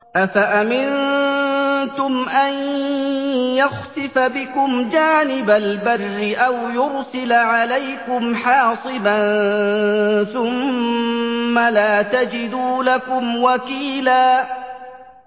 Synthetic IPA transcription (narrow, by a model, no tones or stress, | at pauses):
ʔafaʔamɪnn | t̪ʊmʔan | jaxsɪfabɪkʊmd͡ʒaːnɪbalbarːɪʔawjʊɾsɪlʕalajkʊmħɑːsˤɨban | θʊm | alaːt̪ad͡ʒɪd̪uːlakʊmwakiːlaː